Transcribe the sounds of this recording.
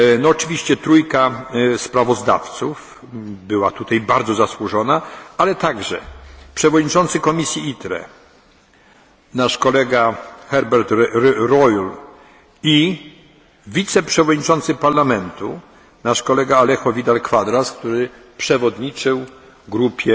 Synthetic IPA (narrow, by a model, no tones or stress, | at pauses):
nɔːt͡ʂɘvʲiɕt͡ɕɛt̪ɾujkaspɾavɔzd̪a̰ft̪suf | bɘwat̪ut̪ajbaɾd̪zɔzaswuʐɔnaalɛt̪aɡʐɛ̰pʂɛvɔd̪ɲit͡ʂɔnt̪sɘkɔmʲisʲjiit̪ɾɛ̰ | naʂkɔlɛɡaxɛɾbɛɾt̪ɾɔjl | i | vʲit̪sɛpʂɛvɔd̪ɲit͡ʂɔnt̪sɘpaɾlamɛnt̪ṵ | naʂkɔlɛɡaːlɛxɔvʲid̪alkfad̪ɾaskt̪uɾɘ | pʂɛvɔd̪ɲit͡ʂɘw | ɡɾupʲjɛ